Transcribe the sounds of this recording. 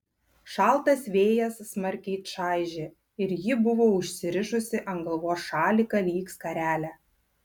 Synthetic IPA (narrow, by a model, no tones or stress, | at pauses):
ʃɑˑlˠt̪ɐsʋʲeːjɛsːmɐɾʲkʲiːt̪ʃɑˑɪʒʲe | ɪɾjɪbʊʋoːʊʃʲsʲɪɾʲɪʒʊsʲɪʔɐŋɡɐlˠʋoːsʃɑːlʲikɐlʲiːkskɐɾʲæːlʲæ